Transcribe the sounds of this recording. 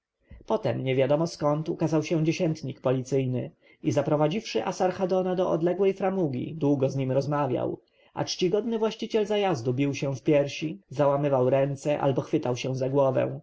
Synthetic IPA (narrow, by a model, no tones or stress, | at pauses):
pɔt̪ɛmɲɛvʲjad̪ɔmɔskɔnt̪ukazawɕɛ̃d͡ʑeɕɛnt̪ɲikpɔlʲit̪sɘjnɘ̰ | izapɾɔvad͡ʑifʂɘʔasaɾxad̪ɔnad̪ɔʔɔ̰d̪lɛɡwɛjfɾamuɡʲḭd̪wuɡɔzɲimɾɔzmavʲja̰w | ʔa̰t͡ʂt͡ɕiɡɔd̪nɘvwaɕt͡ɕit͡ɕɛlzajazd̪ubʲiwɕɛfpʲjɛɾɕizawamɘvawɾɛnt̪sɛʔa̰lbɔxfɘt̪awɕɛ̃zaɡwɔvɛ̰w̃